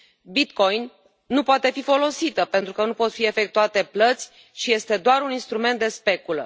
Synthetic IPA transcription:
bit̪ko̞jnː | upoat̪e̞fifo̞lo̞sit̪əpe̞nt̪ɾukənupo̞t̪fie̞fe̞k̚t̪uat̪e̞plət̪sʲ | ʃije̞st̪e̞d̪oaɾuninst̪ɾume̞nt̪d̪e̞spe̞kulə̰

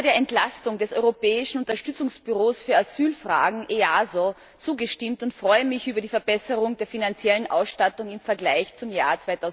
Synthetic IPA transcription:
deːɐɛntlastʊŋdɛsʔɔʏʁopɛːɪʃn̩ʊntɐʃtʏt͡sʊŋsb̥yʁoːsfyːɐazyːlfʁ̥a̰ːɡŋ̩ʔeazo | t͡suːɡəʃtɪmtʊntfʁ̥ɔʏəmɪçʔyːbɐdiːfɛɐbɛsəʁʊŋdeːɐfinant͡sjɛlənʔa̰ʊsʃtatʊŋɪmfɛɐɡlaɪçt͡sʊmjaːɐt͡svaɪtʰaʊ

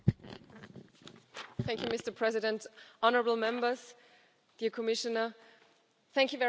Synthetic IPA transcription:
θæ̃ŋkjumɪstə˞pʰɹ̥ɛzɪdɛ̃ntʔɔnəɹəbl̩ˠmɛ̃mbə˞s | d̥iːəkʰɔmɪʃənə˞ | θæ̃ŋkjuvɛ

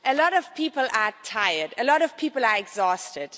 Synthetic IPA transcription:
əlɔɾɔv̥pʰiːpəlatʰaɪədəlɔɾɔv̥pʰiːpəlaɹɛɡzɔːstɪd̥

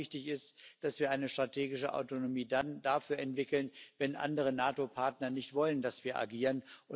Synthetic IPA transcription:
ɪçtɪçɪstd̥asv̥iːɐʔaɪnəʃtʁ̥atʰeːɡɪʃəʔa̰ʊtonomiːdandafyːɐɛntv̥ɪkl̩nvɛnʔa̰ndəʁ̞ənaːtopʰaɐtnɐnɪçtv̥ɔləndasv̥iːɐʔa̰ɡiːʁənʔʊ

